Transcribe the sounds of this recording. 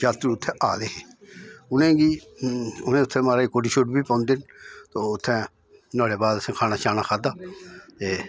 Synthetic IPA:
d͡ʒaːt̪ːʊt̪ʰːɛːʔaːd̪eːɦeːʊnẽːɡiː | ʊnẽːʊt̪ʰːɛ̃ːmaːɾaːikoːɖiːʃoːʈbiːpə̃ːnd̪ent̪oːʊt̪ʰːɛ̃ː | noːɽeːbaːd̪əsẽkʰaːnaːʃaːnaːkʰaːd̪aːt̪eː

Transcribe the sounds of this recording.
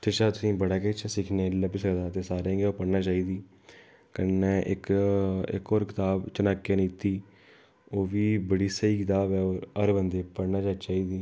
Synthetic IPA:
t̪ɪʃaːt̪ʊsĩːbəɽaːket͡ʃsɪkʰnẽːləbisəkd̪aːt̪eːsaːɾẽːɡeːoːpəɽnaːt͡ʃaːiːd̪iː | kənːeːʔɪ̰kɪ̰koːɾkɪt̪aːbt͡ʃənaːkːẽːniːt̪iː | oːʋiːbəɽiːsəiːkɪt̪aːbɛːoːɾəɾbənd̪eːpəɽnaːd͡ʒaːt͡ʃaːiːd̪iː

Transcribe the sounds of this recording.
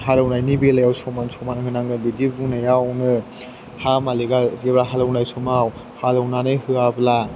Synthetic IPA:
ɦalawnajnibelajawsɔmansɔmanhɯnaŋɯbidibuŋnajawnɯ | hamaliɡazebɾaɦalawnajsumaw | halawnanɯjhɯabla

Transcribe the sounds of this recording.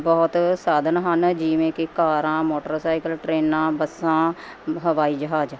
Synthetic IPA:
bɔːt̪saːd̪ənɦənd͡ʒiːʋẽːkekaːɾãːmoːʈəɾsaːɪkəlʈɾeːnãːbəsãː | ɦəʋaːiːd͡ʒəɦaːd͡ʒ

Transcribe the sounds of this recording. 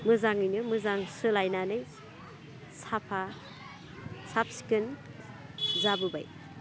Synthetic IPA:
mɯzaŋɯjnɯmɯzaŋsɯlajnanɯj | sapʰa | sap̚si̥kɯn | zabɯbaj

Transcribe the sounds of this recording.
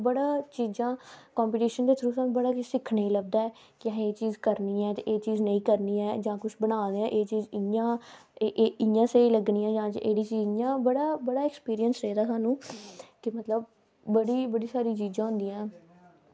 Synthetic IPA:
bəɽaːt͡ʃiːzãːkaːmpiːʈiːʃənd̪eːt̪ʰɾuːsaːmbəɽaːksɪkʰneĩləɡ̚d̪aːɛː | kãɦeːt͡ʃiːzkəɾniːɛːt̪eːʔeːt͡ʃiːznəĩːkəɾniːɛːd͡ʒãːkʊt͡ʃʰbənaːd̪eɛ̃ːʔeːt͡ʃiːzɪãːeʔːɪjãːseːiːləɡnĩːɛ̃ːd͡ʒãːt͡ʃʔeːɽiːt͡ʃiːjãːbəɽaːbəɽaːɛkspiːɾijənsɾəːd̪aːsaːnũːkɪmət̪ləbː | əɽiːbəɽiːsaːɾiːt͡ʃiːd͡ʒãːɦʊ̃nd̪iːãː

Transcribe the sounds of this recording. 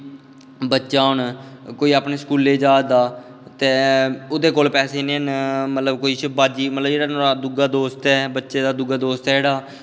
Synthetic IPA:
bətːʃaːʊnkoːiːaːpneːskuːleːd͡ʒaːd̪aː | t̪eːʊd̪eːkoːlpɛːseːnẽːɦənmət̪ləbkoːiːʃbaːd͡ʒiːmət̪ləbd͡ʒeːɽaːnõːaːd̪ʊɡaːd̪oːst̪ɛːbətːʃeːd̪aːd̪ʊɡaːd̪oːst̪ɛːd͡ʒeːɽaː

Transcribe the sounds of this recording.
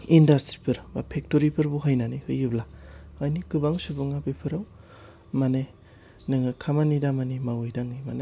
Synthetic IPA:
indastɾipʰɯɾbapʰek̚toɾipʰɯɾbuɦajnanihɯjɯblaajnikɯbaŋsubɯŋabipʰɯɾaw | mane | nɯŋɯkʰamanidamanimawɯjdaŋɯmane

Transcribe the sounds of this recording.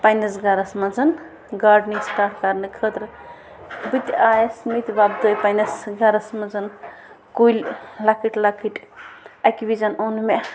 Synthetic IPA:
pajnɐsɡaɾɐsmɐd͡zɐn | ɡaɾɖnisʈaɾkaɾnɨkʰət̪ɾ | bɨt̪aːjesmit̪bab̚d̪əjpajnɐsɡaɾɐsmɐd͡zɐn | kullakʰiʈlakʰiʈɐkʋid͡ʒɐnonme

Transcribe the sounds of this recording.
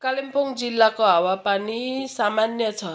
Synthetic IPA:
kalempoŋd͡zilːakoɦawapanisamanjʌt͡sʰʌ

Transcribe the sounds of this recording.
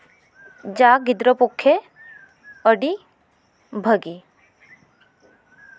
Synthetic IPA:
d͡ʒaɡɪd̪ɾəpʊkʰːe | əɽi | bʱəɡi

